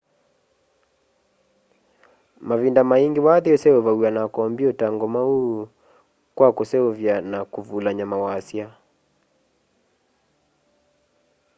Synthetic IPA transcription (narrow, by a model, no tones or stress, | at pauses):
mavindamaiŋɡewaðeosɛovauanakɔmbiɔtaŋɡɔmau | kwakosɛovjanakuvulaɲamawaːsja